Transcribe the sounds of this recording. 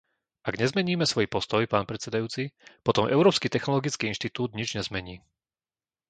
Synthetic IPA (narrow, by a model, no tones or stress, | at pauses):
aɡɲɛzmɛɲiːmɛsʋɔjpɔst̪ɔjpaːnpɾɛt͡sɛd̪ajuːt͡sipɔt̪ɔmʔɛʊɾɔːpskit̪ɛxnɔlɔɡit͡skiinʃt̪it̪uːd̪ɲid͡ʒɲɛzmɛɲiː